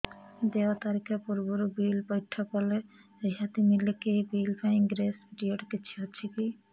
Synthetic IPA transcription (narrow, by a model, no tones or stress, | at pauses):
d̪eat̪aɾikʰapuɾboɾubilbɔjʈʰːakɔle | ejɦat̪imilekibilpʰaiŋɡɾesʈioʈkit͡ɕʰeɦotːʃʰiki